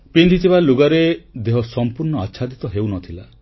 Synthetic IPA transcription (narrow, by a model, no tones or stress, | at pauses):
pind̪ʱit̪ʰibaluɡaɾed̪eɦɔsɔmpuɾnɔaːʃʰad̪it̪ɔɦewnɔt̪ʰila